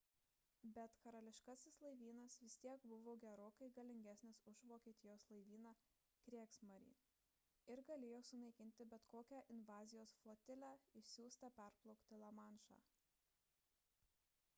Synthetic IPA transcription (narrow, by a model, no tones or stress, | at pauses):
bʲɛt̪kɐɾɐlʲɪʃkɑsʲɪslˠɐɪʋʲiːnɐsʋʲɪsʲt̪ʲiɛɡbʊʋoːɡʲɛɾoːkɐɪɡɐlʲɪŋʲɡʲæsʲnʲɪsʊʒʋoːkʲieːt̪ʲɪjoːslˠɐɪʋʲiːnɑː | kɾʲiɛksmɐɾʲḭː | ɪɾɡɐlʲeːjoːsʊnɐɪkʲɪnʲt̪ʲɪbʲɛt̪koːkʲæːʔɪnʋɑːzʲɪjoːsflˠoːt̪ʲɪlʲæːɪʃsʲuːst̪ɐpʲɛɾplˠɔʊkt̪ʲɪlˠɐmɑnʃɑ̰ː